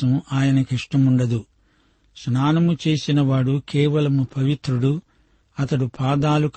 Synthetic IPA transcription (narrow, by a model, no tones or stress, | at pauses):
ɐmaːjɐnɐkiʂʈɐmuɳɖɐd̪u | snaːnɐmut͡ʃe̞ːsinɐʋaːɽukɛːʋɐlɐmupʰɐʋit̪ɾuɽu | ɐt̪ɐɽupaːd̪aːluk